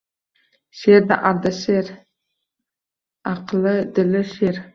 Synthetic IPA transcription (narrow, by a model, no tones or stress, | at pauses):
ʃeɾd̪ɪ̰ʔɑɾd̪aʃeɾ | ɑqəlˠəd̪ɪlɪʃeɾ